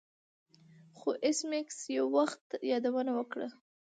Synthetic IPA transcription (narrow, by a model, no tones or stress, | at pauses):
xoʔɪsmɪksjawːaxt̪jɑd̪awənawəkɽa̰